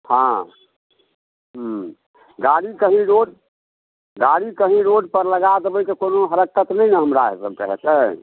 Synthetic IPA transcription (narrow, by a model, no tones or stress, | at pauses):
hã | ɦ | ɡaɽikəɦĩɾoɖ̚ | ɡaɽikəɦĩɾoɖ̚pəɾləɡat̪bəik̪ekonoɦəɾəkːət̪nəjnəɦəmɾaɦḛsəbkəɦɛt̪ə